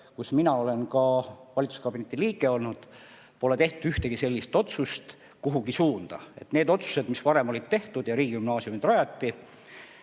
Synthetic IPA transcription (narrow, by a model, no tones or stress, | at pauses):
kusminɑo̞le̞nkɑvɑlʲit̪su̥skɑb̥inet̪ːˑiliːɡ̥e̞o̞lnud̪̥ | po̞le̞t̪e̞ht̪ud̪yht̪e̞ɡ̥ise̞lʲːist̪o̞t̪sust̪ | kuɦuɡisuːnd̪̥ɑe̞̰t̪ne̞ːd̪o̞t̪su̥se̞d̪̥mispɑɾe̞molid̪̥̚t̪e̞ht̪ud̪̥jɑɾiːɡ̥iymnɑːsiumid̪rɑjɑt̪ˑːi